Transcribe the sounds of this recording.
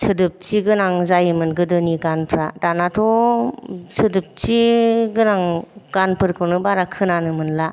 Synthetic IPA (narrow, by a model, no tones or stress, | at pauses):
sʰɯdɯp̚t͡ʃiɡɯnaŋzajɯmɯnɡɯdɯniɡanpʰɾadanatʰɔ | sʰɯdɯp̚t͡ʃiɡɯnaŋɡ̥anpʰɯɾkʰɯwnɯbaɾakʰɯnanɯmɯnla